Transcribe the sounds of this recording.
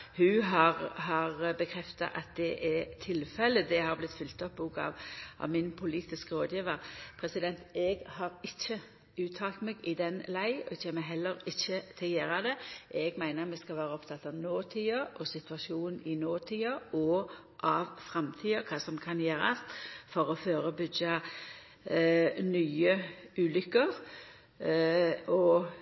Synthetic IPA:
hʉɦɑʁhɑʁbəkʰɾɛft̪ɑ̰ʔɑt̪̚d̪ɛʔɛt̪ʰɪlfɛlːəd̪ɛhɑɾblɪt̪fʏlt̪ɔpːuːkɑ̰ʋʔɑ̰ʋmɪnpʰʊliːt̪ɪskəɾoːd̪jiːʋəɾpʰɾɛsɪd̪ɛnt̪ɛɡhɑɾɪçːə | ʉːt̪ʰɑːlt̪meːɡɪd̪ɛnlæɪɔɪçəmɛɦɛlːəɾɪçːət̪ʰɪljæːɾɑd̪ɛʔɛɡmæɪnəɾmɛskɑlʋæːɾəɔpt̪ʰɑt̪ːɑʋnoːt̪ʰiːəʔɔsɪt̪ʰʋɑʃuːnn̩ɪnoːt̪ʰiːəɔ | ʔɑʋfɾɑmt̪ʰiːəkʰɑːsɔmkʰɑnjeːɾɑ̰st̪fɔɾɔføːɾəbʏɡɑ | nyːəʉːlʏkːəʁ | ɔ

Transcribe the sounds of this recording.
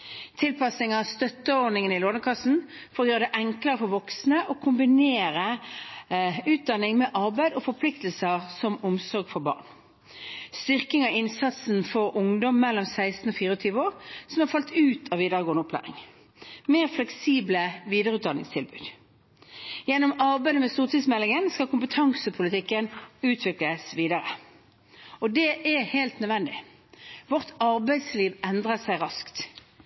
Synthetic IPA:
t̪ʰɪlpʰɑsɪŋɑɑst̪œt̪ːəod̪nɪŋənɪloːnəkʰɑsn̩ | fɔʁjøːd̪əʔɛŋkləʁəfɔɾʋɔksnəʔɔkʰʊmbɪneːɾə | ʉːt̪̚d̪ɑnːɪŋmɛːʔɑʁbæɪd̪ɔfɔpʰlɪkt̪əlsəʁsɔmʊmsɔʁɡfɔbɑ̰ːʁn | st̪ʏʁkɪŋɑɪnsɑt̪sn̩fɔʁʊŋd̪ɔmːɛlːɔmsæɪst̪n̩oːfiːʁəɔːt̪ʰyːʋəoːʁsɔmhɑʁfɑlt̪ʉːt̪ʰɑʋiːd̪əʁəɡoːənɔpʰlæ̰ːʁɪ̰ŋ | meːʁflɛksiːbləʋiːd̪əʁəʉt̪̚d̪ɑnɪŋst̪ʰɪlbʉ̰ːd̪ | jɛnːɔmɑʁbæɪd̪əmɛst̪uːʁt̪iːsmɛlːɪŋənskɑlkʰʊmpət̪ʰɑŋsəpʰʊlət̪ʰɪkːənʉːt̪ʰʋɪkləsʋiːd̪ɑʁə | ɔd̪ɛʔɛheɪlt̪nœd̪ʋɛnd̪ɪ̰ | ʋɔʁt̪ɑʁbæɪsliːʋɛnd̪ʁəsæɪʁɑskt̪

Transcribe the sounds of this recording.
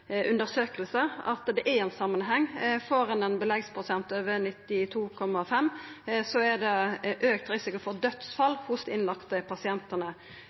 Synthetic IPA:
ʔʉnd̪əɾsøːkəlsəɑ̰t̪d̪ɛʔɛɾɛnsɑmːənɦɛŋːfoːɾɑnɛnbəlɛɡspʰɾʊsɛnt̪øːʋənɪt̪ːɪt̪ʰuːkʰɔmːɑfɛmsɔɛd̪ɛʔøːk̚t̪ɾɪsɪkʊfɔɾd̪œt̪sfɑlːhʊsd̪ɛɪnlɑkt̪əpʰɑsɪɛnt̪ənə

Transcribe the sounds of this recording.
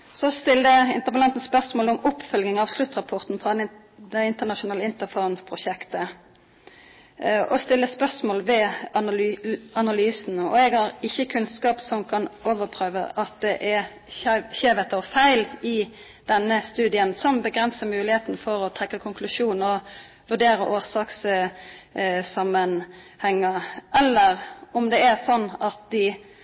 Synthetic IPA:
sɔst̪ɪld̪əɪ̰nt̪əʁpəlɑnt̪n̩spœʁsmoːlɔmʊpːfœlɡɪŋɑʋslʉt̪ːʁɑpʰɔʁt̪n̩fʁɑd̪ | d̪ɛɪnt̪əʁnɑʃʊnɑːləɪnt̪əfɔʁnpʰʁʊʃɛkt̪ə | ɔst̪ɪlːəspœʁsmoːlʋɛɑɑnɑlyːsn̩ɔ̰ɛɡhɑɾɪçːəkʰʉnskɑːpsɔmkʰɑnoːʋəpʰʁøːʋə̰ʔɑt̪̚d̪ɛʔɛ | çeːʋɛt̪ɔfæɪlɪ | d̪̥ɛnːəst̪ʉːd̪ɪənsɔmbəɡʁɛnsəmʉːlɪheːt̪n̩fɔɾɔt̪ʰʁɛkːəkʰʊŋkʰlʉʂuːnɔ | ʋʉʁɖ̪eːɾəʔoːʁsɑːks | sɑmən | hɛŋːəɛlːəʁɔmd̪ɛɛʁsɔnːɑt̪̚d̪ɪ

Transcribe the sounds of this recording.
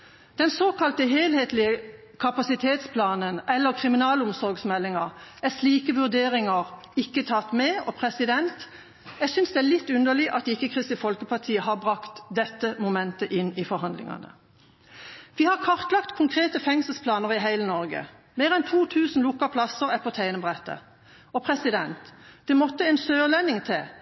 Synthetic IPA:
d̪̥ɛnsoːkʰɑlt̪əɦeːlheːt̪lɪə | kʰɑpɑsɪt̪ʰeːt̪spʰlɑːnənʔɛlːəʁkʰʁɪmɪnɑːlʊmsɔʁɡsmɛlːɪŋɑʁæsliːkəʋʉʁd̪eːʁɪŋəʁ | ɪkːət̪ʰɑt̪mɛːɔpʰʁɛsɪd̪ɛnt̪ | jɛɡsʏnsd̪ɛːælɪt̪ːʉnd̪əɭɪʔɑt̪̚d̪ɪkːəkʰʁɪst̪ɪfɔlkəpʰɑʁt̪ʰiːəhɑʁbʁɑkt̪d̪ɛt̪ːəmʊmɛnt̪əʔɪnːifɔɾɦɑnd̪lɪ̰ŋɑ̰nə̰ | ʋihɑʁkʰɑʁt̪lɑkt̪kʰʊŋkʰʁeːt̪əfɛŋsl̩spʰlɑːnəʁɪɦæɪlənɔʁɡə̰ | meːʁɛnt̪ʰuːt̪ʰʉːsn̩lʊkːɑpʰlɑsəʁæpʰɔt̪ʰæɪnəbʁɛt̪ːə̰ | ɔpʰʁɛsɪd̪ɛnt̪d̪̥ɛmɔt̪ːəɛnsøːʁlɛnɪŋt̪ʰɛ

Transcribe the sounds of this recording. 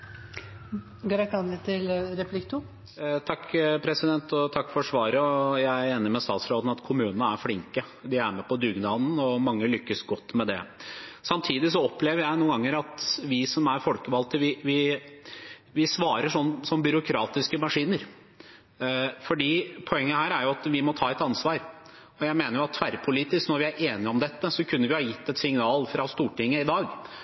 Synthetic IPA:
ɡɑɾɑk̪ɑnlɪt̪ʰɪlɾɛplɪkt̪ʰuː | t̪ʰɑkːpʰɾɛsɪd̪ɛnt̪ɔt̪ʰɑkːfɔɾʂʋɑːɾəɔjæɪeːnɪmɛst̪ɑːt̪sɾoːd̪n̩ɑt̪kʰʊmʉːnənəæɾflɪŋkə | d̪ɪæɾmɛpɔd̪ʉɡnɑːd̪n̩ɔmɑŋːəlʏkːəsɡɔt̪ːmɛd̪ɛ̰sɑmt̪ʰiːd̪ɪs̬ɔɔpleːʋəɾjæɪnuːənɡɑŋːəɾɑt̪ʋɪsɔmæɾfɔlkəʋɑlt̪əʋɪʋɪ | ʋɪsʋɑːɾəʂɔnːsɔmbʏɾʊkʰɾɑːt̪ɪskəmɑʂiːnəɾ | fɔɖiːpʰɔɛŋːəhæːɾæɾjʊɑt̪ʋɪmɔt̪ʰɑːɛt̪ɑnsʋɑːɾ | ɔjæɪmeːnəjʊɑt̪ːʰʋæɾpʰʊliːt̪ɪsknɔɾʋɪæɾʔeːnɪɔmd̪ɛt̪ːəsɔkʰʉnːəɾʋɪhɑːjɪt̪ːɛt̪sɪŋnɑːlfɾɑst̪uːʈɪŋːəɪd̪ɑːɡ

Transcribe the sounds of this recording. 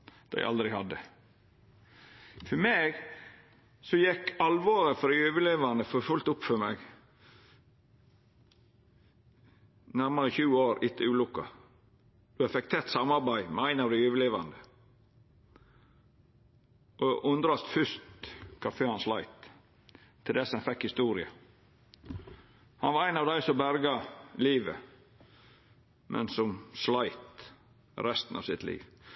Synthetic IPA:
d̪̥æ̰ɪʔɑ̰ld̪ɾɪhɑd̪ːə | fɔmeːɡ | sɔjɛkːɑlʋoːɾəfɔd̪æjøːʋəleːʋɑnd̪əfɔfʉlt̪ʊpːfɔmɛɡ | næɾməɾəçʉːəoːɾɪt̪ʰːəʉːlʊkːɑ | d̪̥ʉhɑfɛk̚t̪ʰɛt̪sɑmɑɾbæɪmɛæɪnɑʋd̪æɪjʉːʋəleːʋɑ̰nd̪ə | ʔoʔʉnd̪ɾɑst̪fʏʂt̪kʰɑføːɾhɑnslæɪt̪ʰː | ɪld̪ɛshɑnfɛkhɪst̪uːɾɪə | hɑnʋɑɾæɪnɑːʋd̪æɪsɔmbæɾɡɑliːʋə̰ | mʔɛ̰nsɔmslæɪt̪ | ɾɛst̪ən̩ɑ̰ʋsɪt̪lḭːʋ

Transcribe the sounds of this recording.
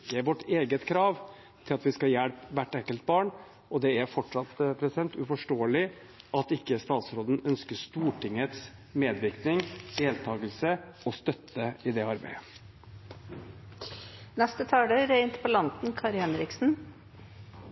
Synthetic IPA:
əʋɔʈːeːɡət̪kʰɾɑːʋ | t̪ʰɪlɑt̪ʋɪskɑjæɽpʋæʈːɛŋkəlt̪̚bɑːɳ | ɔd̪ɛæɾfɔʈʂɑt̪pʰɾɛsɪd̪ɛnt̪ʉfɔʂʈoːəlɪ | ʔɑt̪ɪkːəst̪ɑːt̪sɾoːd̪ənœnskəʂt̪uːʈʰɪŋːət̪smeːd̪ʋɪɾknɪŋd̪eːlt̪ʰɑːɡəlsəɔst̪œt̪ʰːəɪd̪ɛɑɾbæ̰ɪə | nɛst̪ət̪ʰɑːɖ̪əɾæɪnt̪pʰɔlɑnt̪n̩kʰɑɾhɛnɾɪksn̩

